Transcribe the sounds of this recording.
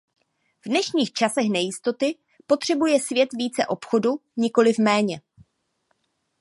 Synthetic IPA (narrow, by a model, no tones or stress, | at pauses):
vdnɛʃɲiːxt͡ʃasɛxnɛjɪst̪o̞t̪ɪ | po̞t̪r̝̥ɛbujɛsvjɛt̪viːt͡sɛʔo̞pxo̞duɲɪko̞lɪfmɛːɲɛ